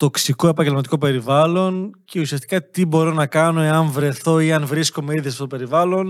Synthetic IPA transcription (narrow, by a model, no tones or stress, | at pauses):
t̪o̞ksiko̞e̞pɐɲɟelmɐt̪iko̞pe̞ɾivɐlo̞nce̞usiɐst̪i̥kɐt̪ibo̞ɾo̞nɐkɐno̞e̞ɐnvɾe̞θo̞iɐnvɾiskome̞iðisɐfot̪ope̞ɾivɐlo̞n